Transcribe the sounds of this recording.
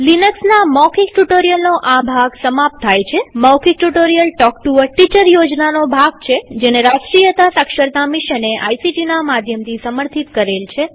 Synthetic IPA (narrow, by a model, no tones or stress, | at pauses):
linəksnamɔkʰik̚ʈuʈoɾijəlnoʔabʱaɡsəmap̚t̪ʰːajt͡ʃʰemɔwkʰik̚ʈuʈoɾijəlʈɔkʈuəɾʈit͡ʃəɾjod͡ʒnanobʱaɡt͡ʃʰed͡ʒeneɾasʈɾijət̪asəkʃəɾt̪amiʃəneʔa̰jsid͡ʒinamad̪ʱjəmt̪ʰisəməɾt̪ʰit̪kəɾelt͡ʃʰe